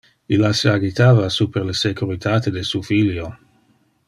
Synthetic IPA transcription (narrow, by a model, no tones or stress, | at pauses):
ilaseaɡit̪aːvasupeɾlesekuɾit̪at̪edesufiljo